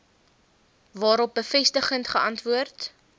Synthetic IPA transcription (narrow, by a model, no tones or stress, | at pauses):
vɑːɾɔp̚bəfɛstəχəntχəʔɐntvuərt